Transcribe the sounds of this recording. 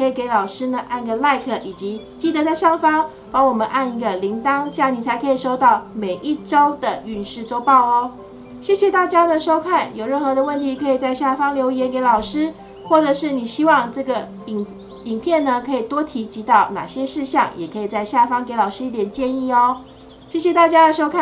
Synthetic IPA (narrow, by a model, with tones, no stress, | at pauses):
kʰɤ˧˥i˨˩ke˧˥ɪlɑ˨˩ʊʂɻ̩˥nə˨ʔa˥˩n˧ɡə˨˩la˥˧ɪkʰɤ˥˩ʔi˨˩t͡ɕi˧˥ | t͡ɕi˥˩t̪ə˧˥ɾa˧ɪʂɑ˥˩ŋfɑ˥ŋ | pɑ˧˥ŋwɔ˨˩mə˧˦nʔa˥˧ni˥˩ɡə˨li˧˥ŋt̪ɑ˥ŋt͡ɕja˥˩ni˨˩t͡sʰa˧˥ɪkʰɤ˧˥i˨˩ʂo˥ʊt̪ɑ˥˩ʊme˨˩ɪʔi˥˩ʈ͡ʂo˥ʊd̪ə˨y˥˨˩nʂɻ̩˥˧t͡so˥˧ʊpɑ˥˧ʊɔ˧ | ɕjɛ˥˩ɕjɛ˧˦t̪a˥˩t͡ɕja˥d̪ə˨ʂo˥ʊkʰa˥˩njo˨˩ʊɻə˥˩nxɤ˧˥d̪ə˧wə˥˩nt̪ʰi˧˥kʰɤ˧˥i˨˩t͡sa˥˧ɪɕja˥˩fɑ˥ŋljo˧˥ʊjɛ˧˥nke˧˥ɪlɑ˨˩ʊʂɻ̩˥ | xwɔ˥˩ʈ͡ʂɤ˨˩ʂɻ̩˥˩ni˨˩ɕi˥wɑ˥˧ŋʈ͡ʂɤ˥˩ɡə˩˨ | i˨˩ŋpʰjɛ˥˩nnə˩˨kʰɤ˧˥i˨˩t̪wɔ˥t̪ʰi˧˥t͡ɕi˧˥t̪ɑ˥˩ʊna̰˨˩ɕjɛ˦˥ʂɻ̩˥˧ɕjɑ̰˥˩ŋjɛ˨˩kʰɤ˧˥i˨˩t͡sa˥˧ɪɕja˥˩fɑ˥ŋke˧˥ɪlɑ˨˩ʊʂɻ̩˥i˥˩t̪jɛ˨˩nt͡ɕjɛ˥˧ni˥˧ɔ˩ | ɕjɛ˥˩ɕ̬jɛ˨˩t̪a˥˩t͡ɕja˥d̪ə˨ʂo˥ʊkʰa˥˨